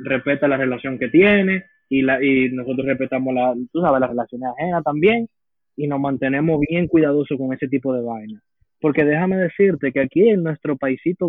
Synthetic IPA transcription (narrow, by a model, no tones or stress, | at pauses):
re̞spe̞t̪alare̞lasjo̞ŋke̞t̪je̞ne̞ | ilaino̞so̞t̪ɾorepet̪amoslat̪usaβe̞slasrelasjo̞nesahe̞nat̪ambje̞ŋ | ino̞smãnt̪e̞ne̞mo̞zβje̞ŋkwiðaðo̞sokoŋe̞se̞t̪̬ipo̞ðe̞βajna | po̞ɾke̞ðe̞hame̞ðe̞siɾt̪e̞ke̞akieŋnwe̞st̪ɾo̞paisit̪o